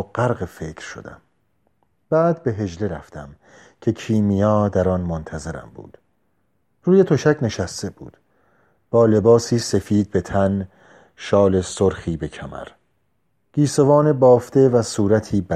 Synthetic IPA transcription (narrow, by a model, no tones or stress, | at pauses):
ɢæɾɣefe̞kʰɾʃo̰d̪æ̰m | b̥æːd̪be̞ɦe̞d͡ʒle̞ɾæft̪ʰæm | cʰe̞kʰiːmijɒːd̪æɾɒːnmont̪ʰæze̞ɾæ̰mbṵːd̪̥ | ruːje̞t̪ʰoʃæcʰne̞ʃæst̪e̞b̥ṵːd̪̥ | b̥ɒːle̞bɒːsiːse̞fiːd̪̚be̞t̪ʰæn | ʃɒːle̞soɾxiːbe̞cʰæmæ̰ɾ | ɡ̥iːso̞vɒːnebɒːft̪e̞væsuːɾæt̪ʰiːbæ